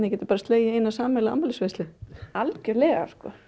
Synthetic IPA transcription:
nɪcʲɛːt̪ʏ̥paːɾast̪leːjɪeːjnasaːmɛlaa̰mːalɪsvejst̪lɪalcʏlɛːɣa̰ɾ̥skɔ̰

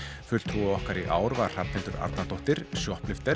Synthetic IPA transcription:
fʏl̥t̪ʰuɔhkaɾiʔaːwɾvḁr̥ap̪nɛnt̪ʏɾa̰ɾt̪nat̪owht̪ɪɾ̥sjɔhplɪft̪ɛ

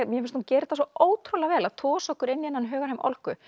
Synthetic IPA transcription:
mjɛfɪnst̪uːcɛːɾɪt̪as̬ɔoːwt̪ʰɾolaɣvɛːlaðt̪ʰɔːsɔhkʏɾenːijɛnːanɦœːɣaɾhamʔɔ̰lhkʏ

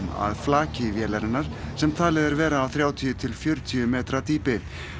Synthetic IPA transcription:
ma̰ðflaːcɪvjɛːlaɾɪnːaɾ̥sɛmt̪ʰaːlɪðɛɾvɛːɾaːwθɾjaːwt̪ʰijʏt̪ʰɪlfjœɾt̪ʰiʏmɛːt̪ɾat̪iːpɪ

